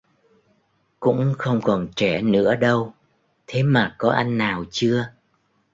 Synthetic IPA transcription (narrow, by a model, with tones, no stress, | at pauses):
kʊ̰˧˥ŋ͡mxə˧wŋ͡mkɔ˨˩nt͡ɕɛ˧˩nɨ̰˧˥əɗə˧w | t̪ʰe˨˦maː˨˩kɔ˨˦ʔa˧jŋ̟naː˨˩wt͡ɕɨ˧ə